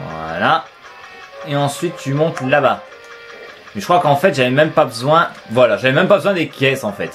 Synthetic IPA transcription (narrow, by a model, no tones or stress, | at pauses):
vwa̰la | eɑ̃sɥit̪ːymɔ̃t̪laba | mɛʒəkχwakɑ̃fɛt̪ʒavɛmɛmpabəzwɛ̃vwalaʒavɛmɛ̃mpabəzwɛ̃d̪ekʰʲɛsɑ̃fɛt̪